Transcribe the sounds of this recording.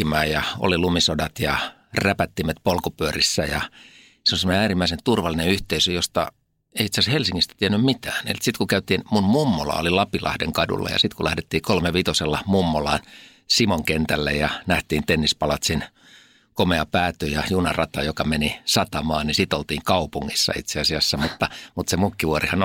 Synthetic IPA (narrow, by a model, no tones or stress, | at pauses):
imæːjjɑo̰lilumisodɑt̪jɑ | ræpæt̪ːimæt̪polkopyørisːæjɑ̰ | seolisemoneæːrimːæisent̪urʋɑlːineyht̪eisøjost̪ɑ̰ | eiit̪seɑshelsiŋːist̪æ̥t̪iænːymmit̪æːnḛlt̪sit̪kukæyt̪iːnmunmumːolɑ̰o̰lilɑpilɑ̰hdḛŋkɑdṵlːɑ̰jɑ̰sit̪kulæhdet̪ːiːkolmeʋit̪oselːɑmumːolɑːn | simoŋkent̪ælːḛjjɑnæht̪iːnt̪enːispɑlɑt̪sen | komeɑpæːt̪øjɑjunɑrɑt̪ɑjokɑmenisɑt̪ɑmɑːnnisit̪olt̪iːŋkɑupuŋːisːɑ̰ḭt̪seɑsiɑsːæmut̪ːɑmut̪semukːiʋuorihɑn